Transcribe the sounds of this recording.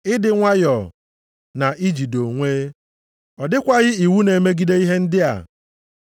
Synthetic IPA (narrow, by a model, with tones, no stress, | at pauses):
ɪ˦dɪ˨ŋʷa˦jɔ˨ | na˨ʔi˦d͡ʒi˨do˨ŋʷeː˦ | ɔ˨dɪ˦kʷa˦ɣɪ˦i˨wu˦ne˨me˦ɡi˦de˦i˦ɦe˦n̩˦dɪ˦a̰˨